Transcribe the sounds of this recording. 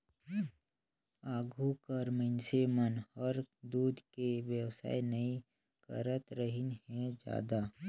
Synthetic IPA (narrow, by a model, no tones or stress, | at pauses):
aːɡʱukəɾmənsemənhəɾd̪uːd̪kewjəwsa̰ːinəi | kə̰ɾət̪ɾəɦɪnɦɛ̃d͡ʒja̰ːd̪aː